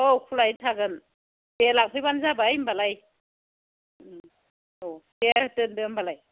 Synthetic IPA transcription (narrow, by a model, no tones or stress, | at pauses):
okʰulajtʰaɡɯn | telak̚pʰɯjbanzabajmbalaj | otehtɯndɯmbalaj